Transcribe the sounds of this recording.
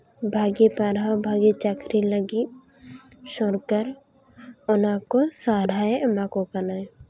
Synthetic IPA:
bʱaːɡepaɾabʱaːɡet͡ʃakɾiləɡi | ʃɔɾkəɾ | ɔnakosaːɾʱaemakokənaj

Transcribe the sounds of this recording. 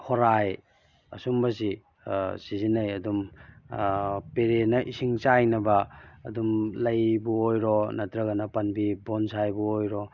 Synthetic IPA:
hoɾaj | ɐsumbɐsi | sizinɐjɐdum | peɾenɐʔisiŋt͡ʃajnɐbɐːdumlɐjbuojɾonɐtɾɐɡɐnɐpɐnbibonsajbuojɾo

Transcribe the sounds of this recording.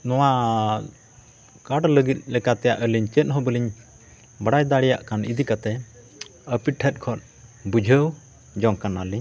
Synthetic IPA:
nɔwa | kaɽləɡit̪̚ˀlɛkat̪ɛjaʔəliɲt͡ʃət̪̚ɦɔbəliɲ | baɽajd̪aɽɛja̰ʔkanid̪ikat̪ɛ | əpiʈʰɛt̪̚kʰɔt̪̚ | bud͡ʒʱəw | d͡ʒɔŋkanaliɲ

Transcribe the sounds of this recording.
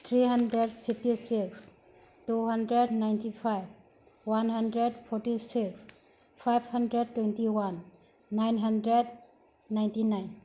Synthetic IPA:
t̪ʰɾiɦandɾed̚pʰipʰtisiks | tuɦʌndɾednajntipʰajb̚ | wanɦandɾed̚pʰɔɾtisiks | pʰajbʰhandɾed̚tːwentiwanː | ajnɦandɾed̚ | najntinajn

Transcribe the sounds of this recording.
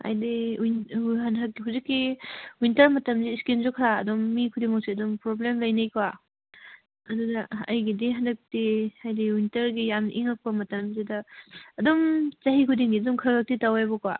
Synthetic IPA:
a̰jdiinɦanɦakːiɦuzikːiwintɐɾmɐtɐmziskinzokʰɾaːdɔmːikʰudiŋmaksiɐdumpɾoblemlɐjnajkwa | ɐdudɐɐ̰jɡidiɦandɐk̚tiajdiwintɐɾɡijamʔiŋak̚pɐmɐtɐmzidɐːdɔmt͡ʃɐɦikʰudiŋɡidumkʰɾaɡak̚titawajbɔka̰

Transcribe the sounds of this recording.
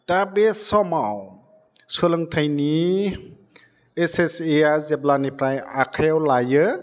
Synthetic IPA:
tabesɔmaw | solɯŋtʰajni | eseseazeblanipɾajakʰajawlajɯ

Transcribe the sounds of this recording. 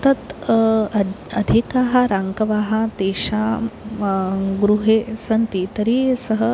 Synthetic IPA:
t̪ɐt̪ | ɐd̪ʱikaɦaɾaŋkɐʋaːɦat̪eɕa | ɡɾuɦesɐnt̪it̪ɐɾisɐɦə

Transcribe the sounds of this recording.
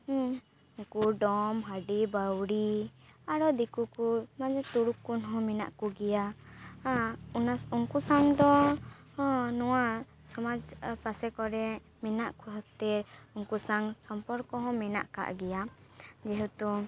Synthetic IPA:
uŋkuɖɔmɦaɖibawɽiaɾɔd̪ikukumad͡ʒɛt̪uɽukːunɦɔ̃mɛna̰ʔkuɡɛjaaunasuŋkusaŋd̪ɔ | hɔ̃nɔwa | sɔmad͡ʒpasɛkɔɾɛ | mɛnaʔkuɦɔt̪ɛɾuŋkusaŋsɔmpɔɾkɔɦɔ̃mɛna̰ʔka̰ʔɡɛjad͡ʒɛɦut̪u

